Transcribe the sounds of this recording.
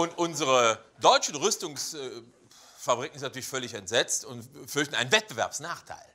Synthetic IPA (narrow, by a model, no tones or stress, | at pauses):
ʔʊntʔʊnzəʁədɔʏt͡ʃn̩ʁʏstʊŋs | fabʁik̚ŋ̩ɪstnatyːɐlɪçfœɐlɪçɛntz̥ɛt͡stʊntfʏɐç̬tn̩aɪnvɛt̚b̥əvɛ̰ɐpsnaːχtʰa̰ɪl